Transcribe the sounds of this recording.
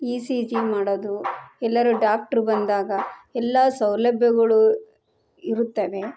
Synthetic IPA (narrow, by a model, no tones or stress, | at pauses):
iːsid͡ʒimaːɽod̪uɛlːɐɾuɖaːk̚ʈɐɾbɐnd̪aːɡɐɛlːasɐwlɐbʱjɐɡɐɭu | iɾut̪ːɐʋe̞